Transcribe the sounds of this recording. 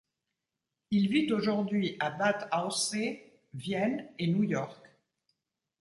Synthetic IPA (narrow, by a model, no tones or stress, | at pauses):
ilvit̪oʒuʁd̪ɥiʔabat̪aose | vjɛnenujɔʁk